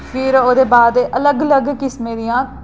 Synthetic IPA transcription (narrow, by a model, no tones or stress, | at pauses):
pʰɪɾoːd̪eːbaːd̪ʔələɡələɡkɪsmẽːd̪ɪjãː